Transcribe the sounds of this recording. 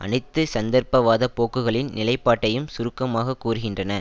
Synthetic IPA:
ʔɐ̰nɐɪt̪ːɯsɐnd̪ɐɾpɐʋaːðɐpoːkːɯɣɐɭɪnnɪlɐɪpːaːʈːɐjɯmsʊɾɯkːɐmaːɣɐkːuːɾɯɣɪndrɐnɐ

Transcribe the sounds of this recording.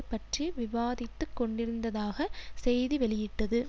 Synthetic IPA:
pːɐʈriʋɪʋaːðɪt̪ːɯkːɔɳɖɪɾɯnd̪ɐðaːɣɐsɛjðiʋɛɭɪjɪʈːɐðɯ

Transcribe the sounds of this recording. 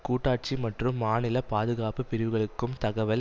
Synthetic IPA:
kuːʈːaːʈ̚t͡ʃimɐʈrɯmːaːnɪlɐpaːðɯɣaːpɯpɪɾɪʋɯɣɐɭɯkkːɯmt̪ɐɣɐʋɐl

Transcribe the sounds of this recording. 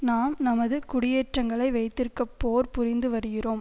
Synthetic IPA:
naːmnɐmɐðɯkʊɽɪjɛʈrɐŋɡɐɭɐɪʋɐɪt̪ːɪrkːɐpːoːɾpʊɾɪnd̪ɯʋɐɾɯɣɪroːm

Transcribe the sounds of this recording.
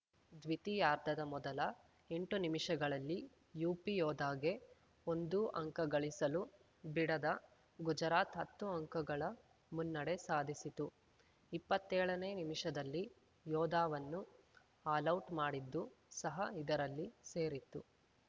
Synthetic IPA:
d̪ʋit̪ijaːɾd̪ʱɐd̪ɐmɔd̪ɐlɐ | e̞ɳʈunimiʂɐɡɐɭɐlːi | juːpijɔːd̪aːɡe̞ | o̞nd̪uʔɐ̰ŋkɐɡɐɭisɐlu | biɽɐd̪ɐ | ɡud͡ʒɐɾaːt̪ɦɐt̪ːuɐŋkɐɡɐɭɐ | munːɐɽe̞saːd̪ʱisit̪u | ipːɐt̪ːɛːɭɐneːnimiʂɐd̪ɐlːi | jɔːd̪aːʋɐnːu | aːlɐwʈmaːɽid̪ːu | sɐɦɐid̪ɐɾɐlːise̞ːɾit̪ːu

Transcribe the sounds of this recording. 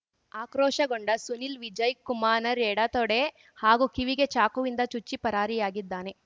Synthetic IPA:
aːkɾoːʃɐɡoɳɖɐsunilʋid͡ʒɐjkːumaːnɐɾeːɽat̪ɔɽe | haːɡukiʋiɡet͡ʃaːkuʋind̪ɐt͡ʃut͡ʃːipɐɾaːɾijaːɡid̪ːaːne̞

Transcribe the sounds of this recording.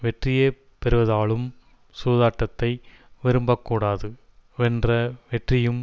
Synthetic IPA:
ʋɛʈrɪjeː | pɛɾɯʋɐðaːɭɯm | suːðaːʈːɐt̪ːɐɪ | ʋɪɾɯmbɐkːuːɽaːðɯ | ʋɛndrɐʋɛʈrɪjɯm

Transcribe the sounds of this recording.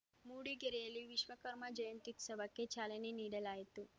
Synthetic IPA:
muːɽiɡeɾɛjɐlːiʋiʃʋɐkɐɾmɐd͡ʒɐjɐnt̪iksɐbʱɐkːet͡ʃaːleneniːɽɐlaːjit̪u

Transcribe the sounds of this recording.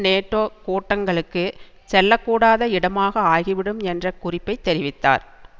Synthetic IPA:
neːʈːoːkoːʈːɐŋɡɐɭɯkːɯ | sɛlːɐkːuːɽaːðɐɪɽɐmaːɣɐaːɣiʋɪɽɯmɛndrɐkʊrɪpːɐɪt̪ːɛɾɪʋɪt̪ːa̰ːɾ

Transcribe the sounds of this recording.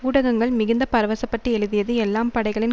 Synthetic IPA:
uːɽɐɣɐŋɡɐɭmɪɣɪnd̪ɐpɐɾɐʋɐsɐpːɐʈriɛɻɯðɪjɐðɯɛlːaːmpɐɽɐɪɣɐɭɪn

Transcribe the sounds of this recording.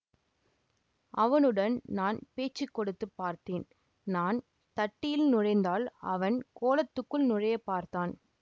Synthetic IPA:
ʔɐʋɐnɯɽɐnnaːnpeːt͡ʃːɪkːɔɽɯt̪ːɯpːaːɾt̪eːn | naːn | t̪ɐʈːɪjɪlnʊɻɐɪnd̪aːlɐ̰ʋɐnkoːlɐt̪ːɯkːɯlnʊrɐjɐpːaːɾt̪aːn

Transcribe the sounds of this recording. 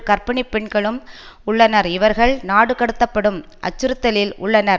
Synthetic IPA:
kɐɾpɐɳipːɛɳɡɐɭɯm | ʊɭːɐnɐɾɪʋɐɾɣɐɭnaːɽɯkɐɽɯt̪ːɐpːɐɽɯm | ʔɐ̰t͡ʃːɯɾɯt̪ːɐlɪlʊ̰ɭːɐnɐɾ

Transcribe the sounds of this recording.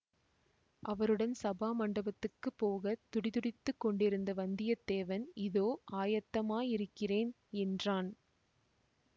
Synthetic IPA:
ʔɐʋɐɾɯɽɐnsɐbaːmɐɳɖɐbɐt̪ːɯkːɯpːoːɣɐt̪ʊɽɪðʊɽɪt̪ːɯkːɔɳɖɪɾɯnd̪ɐʋɐnd̪ɪjɐd̪eːʋɐnɪðoːʔaːjɐt̪ːɐmaːjɪɾɯkːɪreːn | ɛndraːn

